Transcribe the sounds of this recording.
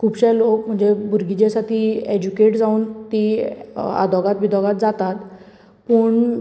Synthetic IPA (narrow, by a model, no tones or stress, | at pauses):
kʰuːbɕalokm̤əɳd͡zebʱuɾɡid͡ʑasaʈʰied͡ʑukeʈd͡zauːnt̪i | a̰d̪ʱɔɡat̪ʋid̪ʱɔɡat̪̚d͡zat̪at̪ | pəːɳ